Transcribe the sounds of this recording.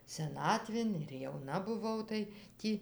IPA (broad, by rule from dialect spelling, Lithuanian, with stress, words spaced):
sʲɛˈnɑːtʲʋʲeːn ɪr jɛʊˈnɐ bʊˈʋɐʊ tɐɪ ˈtʲiː